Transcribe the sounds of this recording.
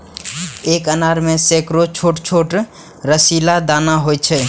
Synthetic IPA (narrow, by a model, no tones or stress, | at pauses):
ekənaɾmesekɾot͡ʃʰoʈt͡ʃʰoʈ | ɾəsilad̪anaɦojt͡ʃʰɛ